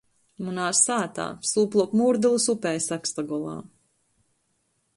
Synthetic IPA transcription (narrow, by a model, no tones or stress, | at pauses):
munaːssaːt̪a̰ːsuːplˠɔkmuːɾd̪ɨlˠusupɛjsakst̪aɡɔlˠa̰ː